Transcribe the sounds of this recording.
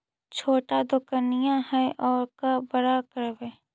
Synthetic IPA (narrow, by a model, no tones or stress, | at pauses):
t͡ʃʰoːʈad̪ʊkənɪjãɦɛʔɔːɾkabɐɾakəɾbɛː